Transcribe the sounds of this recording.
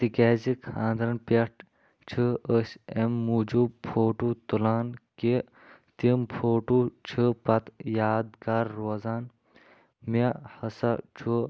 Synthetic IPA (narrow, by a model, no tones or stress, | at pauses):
t̪ikaːzikʰãːnd̪ɾɐnpʲeʈ | t͡ʃʰɨəsʲemːud͡ʒupʰoːʈut̪ulaːnke | t̪impʰoːʈut͡ʃʰɨpɐt̪jaːd̪kaɾːoːzaːn | mehɐsɐt͡ʃʰu